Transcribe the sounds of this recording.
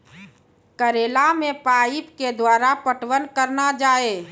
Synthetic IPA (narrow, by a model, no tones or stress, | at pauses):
kəɾeːlamẽpaːipked̪waːɾapəʈwənkəɾnad͡ʒaːeː